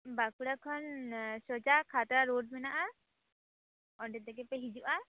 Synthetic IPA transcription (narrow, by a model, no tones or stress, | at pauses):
bakuɽakʰɔnsɔd͡ʒakʰat̪ɾaɾoɖ̚binaʔa | ɔɖɛt̪ɛkɛpeɦid͡ʒuʔa